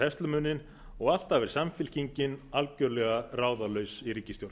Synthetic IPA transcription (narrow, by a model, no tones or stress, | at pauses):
ɛst̪lʏmʏnːɪn | ɔɣal̥t̪avɪɾ̥samfɪl̥ciɲcɪnalcœɾlɛɣaraːwðalœɥsiricːɪst̪jowɾt̪